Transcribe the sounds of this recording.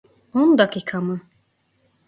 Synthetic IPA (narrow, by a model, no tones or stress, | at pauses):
ond̪akikʰamɯ